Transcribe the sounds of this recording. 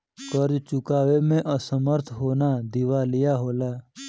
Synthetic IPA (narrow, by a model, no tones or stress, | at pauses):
kəɾd͡ʒt͡ʃʊkaːwemẽʔəsəməɾt̪ʰɦoːnad̪ɪʋalɪjaɦoːlaː